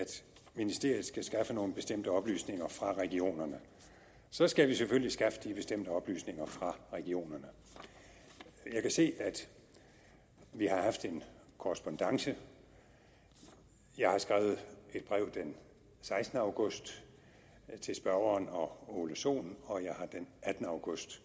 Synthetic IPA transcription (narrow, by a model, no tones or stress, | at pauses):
æd̥ | minisd̥e̝ɐ̰ð̩ˠsɡ̥æsɡ̥ɑfəno̝ːnəb̥e̝sd̥em̰d̥əɒ̽b̥ly̰ːsne̝ŋɐfʁɑ̈ʁɛɡ̥io̝̰ːnɐnə | sɒ̽sɡ̥æʋiseføl̰lisɡ̥æfə̥d̥ib̥e̝sd̥em̰d̥əɒ̽b̥ly̰ːsne̝ŋɐfʁɑ̈ʁɛɡ̥io̝̰ːnɐnə | jɑ̈ɪkʰæse̝̰ːæd̥ | ʋihɑ̈hɑ̈fd̥e̝nkʰoʁsb̥ɒ̽nd̥ɑ̈ŋsə | jɑ̈ɪhɑ̈sɡ̥ʁaːʊð̞̩ˠe̝d̥b̥ʁɛ̰ʊd̥en | sɑ̈ɪsd̥ənəɑ̈ʊɡ̥ɔ̽sd̥ | t͡sʰe̝lsb̥ɶɐɐːnɒ̽oloɕo̝̰ːnɒ̽jɑ̈ɪhɑ̈d̥enʔæd̥n̩əɑ̈ʊɡ̥ɔ̽sd̥